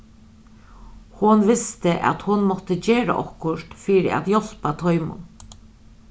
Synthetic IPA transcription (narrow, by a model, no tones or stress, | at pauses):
hʊnʋɪst̪ɪʔæ̰t̪hʊnmɔht̪ət͡ɕeːɾa̰ʔɔhkʊʂt̪fiːɾɪæ̰t̪jɔl̥pat̪ʰɔjmʊ̰n